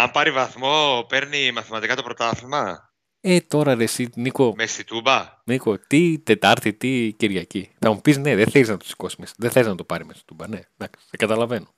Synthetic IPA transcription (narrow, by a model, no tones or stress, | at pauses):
ɐmpɐɾivɐθmo̞peɾnimɐθimɐt̪ikɐt̪o̞pɾot̪ɐθimɐ | e̞t̪o̞ɾɐðesiniko̞mest̪it̪ubɐniko̞t̪it̪e̞t̪ɐɾt̪it̪iciɾʝɐciθɐmupizne̞ðeθeliznɐt̪u̥si̥ko̞simisðeθeliznɐt̪opɐɾimest̪i̥t̪ubɐne̞d̪ɐksi̥t̪ɐkɐt̪ɐlɐve̞no